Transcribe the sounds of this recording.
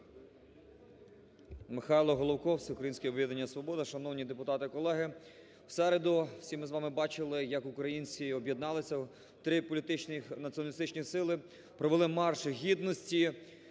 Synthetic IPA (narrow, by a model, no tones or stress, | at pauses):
mɪxɑjlˠɔɦɔlˠɔwkɔwsʲɪukɾɐjinʲsʲkʲɛɔbʋʲjʲid̪enʲːɐsʋɔbɔd̪ɐʃɐnɔwnʲid̪epʊt̪ɑt̪ɪkɔlˠɛɦɪ | w̥sɛɾed̪ʊwsʲimɪzʋɑmɪbɑt͡ʃɪlˠɪjɐkukɾɐjinʲt͡sʲiɔbʲjed̪nɑlˠɪsʲɐ | t̪ɾɪpɔlʲit̪ɪt͡ʃnɪnɐtt͡sʲiɔnɐlʲist̪ɪt͡ʃnʲisɪlˠɪ | pɾɔʋelˠɪmɑrʃɦʲid̪nɔsʲtʲi